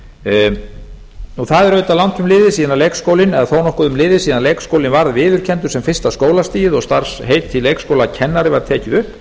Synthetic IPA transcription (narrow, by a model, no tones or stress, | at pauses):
uθaðɛɾœːɥt̪alawnt̪ʏmlɪːðɪsiːðanalejkskoːwlɪnɛðθownɔhkʏðʏmlɪːðɪsiːðanleːjkskoːwlɪnvaɾðvɪːðʏɾ̥cʰɛnt̪ʏ̥sɛmfɪr̥st̪askoːwlast̪iːjɪðɔɣst̪aɾ̥sɦeːjt̪ʰːɪleːjkskoːwlacʰɛnːaɾɪvaɾ̥t̪ʰɛːcɪðʏ